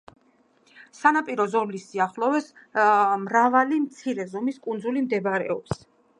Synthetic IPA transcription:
sanapʼiɾɔzɔmlisiaχlˠɔvɛs | mɾavalimt̪sʰiɾɛzɔmiskʼund̪zulimd̪ɛbɾɛ̰ɔps

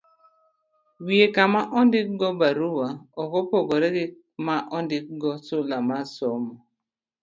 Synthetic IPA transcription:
wiekamaʔɔndɪkɡɔbaɾuwaɔkɔpɔɡɔɾeɡɪ | maʔɔndɪkɡɔsolamasɔmɔ

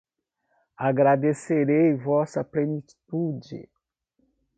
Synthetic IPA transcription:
aɡɾadeseɾejvɔsapleni | tud͡ʒḛ

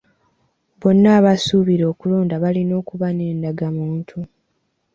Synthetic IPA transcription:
bo̞nːaːβasuβiɾo̞ːkulo̞ːndaβalino̞ːkuβane̞ːndaɡamuːntʰu

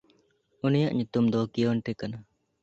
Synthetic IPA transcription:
unijaʔɲut̪umd̪ɔkijɔnʈɛkana

